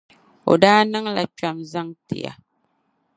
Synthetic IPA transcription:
o̰˨daː˦nɨ˦ŋla˨t͡ʃa˨mza˦ŋtɪ̰˨ja̰˨

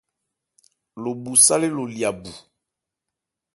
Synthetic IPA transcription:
lo˨bu˨sa˦le˦lo˨li˨a˨bu˨

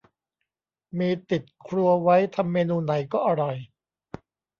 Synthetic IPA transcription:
miː˧t̪i˨˩t̪̚kʰɾu˧ɐwa˦˥jt̪ʰa˧mːeː˧nuː˧na˩˦jkɔː˥˩ʔa˧ɾɔ˨˩j

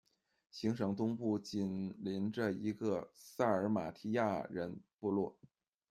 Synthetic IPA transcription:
ɕi˧˥ŋʂɤ˧˥ŋt̪ʊ˥ŋpu˥˩t͡ɕi˨˩nli˧˥nʈ͡ʂə˧i˧˥ɡə˧sa˥˩ə˞˧˥ma̰˨˩t̪ʰi˥ja˥˩ɻə˧˥npu˥˧lwɔ˥˩

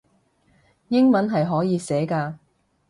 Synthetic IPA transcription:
jɪ˥ŋmɐ˨˥nɦɐ˨jɦɔː˨˥jiː˨˧sɛː˨˥kaː˧

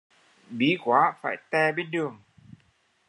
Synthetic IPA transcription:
ɓi˨˦kwaː˨˦faː˧˩jt̪ɛ˧˩ɓe˧˦nɗɨ˨˩əŋ

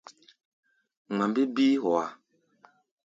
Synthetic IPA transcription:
ŋa˨mbi˦bi˦hɔ˨wa˨

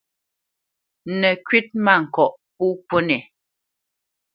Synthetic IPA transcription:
nɛ˨kɥi˦t̚ma˦˨ŋ̩˨kɔ˨ʔp̚u˦po˦nɛ˨

